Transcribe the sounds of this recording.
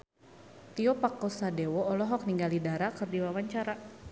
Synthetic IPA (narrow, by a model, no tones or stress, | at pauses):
t̪iɔpakosadewɔːlɔɦɔk̚niŋɡalidaɾakɨrdiwawaɲt͡ʃaɾa